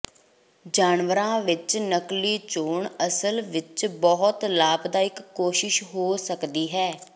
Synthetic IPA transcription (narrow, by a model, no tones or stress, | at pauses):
d͡ʒaːnʋəɾãːʋɪt͡ʃnəkliːt͡ʃoːɳəsəlʋɪt͡ʃbɔɦʊt̪laːbd̪aːɪkːoːʃɪʃɦoːsəkd̪iːɦɛː